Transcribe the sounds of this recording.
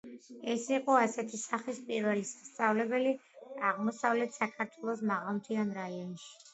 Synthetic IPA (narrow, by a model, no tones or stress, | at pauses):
ɛsiqʼɔasɛt̪ʰisaχispʼiɾvɛlisḁst̪sʼavlɛbɛliaʁmɔsavlɛt̪ʰsakʰaɾt̪ʰwɛlˠɔsmaʁalˠmt̪ʰianɾaiɔnʃi̥